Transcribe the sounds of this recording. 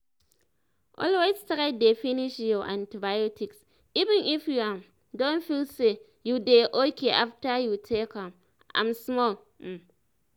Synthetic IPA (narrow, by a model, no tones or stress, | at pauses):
ʔɔ̰lwestɾaɪdefiniʃjɔʔãntibajɔtʰiks | ivɛ̃nʔifjuam | dõnfilse | judeʔokʰeʔaftajutʰekãm | ʔã̰msmɔl̩